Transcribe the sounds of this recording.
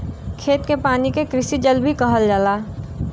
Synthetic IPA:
kʰeːt̪kepaːnikekɾɪsid͡ʒəlbʱikəɦəld͡ʒəlaː

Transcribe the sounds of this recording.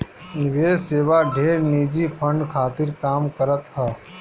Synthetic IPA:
nɪʋeːd͡ʒseːʋaɖʱeːɾniːd͡ʒipʰə̃ɳɖkʰaːt̪ɪɾkaːmkəɾət̪ɦɛː

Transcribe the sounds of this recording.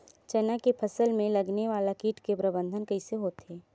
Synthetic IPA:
t͡ʃɐnakepʰɐsəlmẽlɐɡneʋaːlakiːʈkepɾɐbə̃nd̪ʱənkɐiseɦoːt̪eː

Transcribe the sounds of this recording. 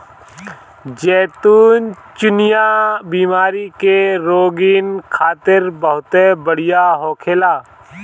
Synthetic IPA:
d͡ʒɛːt̪uːn | t͡ʃʊnɪjabiːmaːɾikeɾoːɡɪːnkʰaːt̪ɪɾbəɦʊt̪ebəɽ̤ɪjaɦoːkʰeːlaː

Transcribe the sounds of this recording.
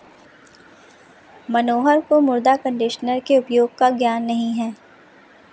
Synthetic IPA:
mɐnoːɦəɾkomʊɾd̪akə̃ɳɖɪʃənəɾkeʊpjoːɡ̚kaɡjaːnːɐɦĩɦɛː

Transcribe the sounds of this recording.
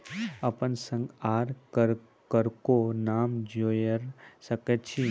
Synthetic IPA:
ɐpənsə̃ŋɡaːɾəɾ | kəɾkonaːmd͡ʒoːjəɾsəkət̪t͡ʃʰi

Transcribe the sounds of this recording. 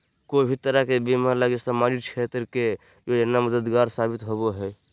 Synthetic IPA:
kobʱit̪əɾakebimalaɡɪst̪amaɾikʰet̪ɾke | joənːaməd̪əd̪ɡaːɾsabit̪ɦoboɦɛ

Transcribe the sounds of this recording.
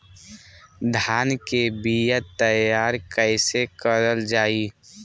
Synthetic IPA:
d̪ʱaːnkebijət̪əjjaːɾkəɪsekəɾəld͡ʒaːi

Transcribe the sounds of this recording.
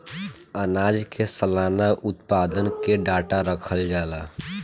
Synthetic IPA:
ənad͡ʒkesəlanaʔʊt̪̚pad̪ənkeɖaʈaɾəkʰəld͡ʒala

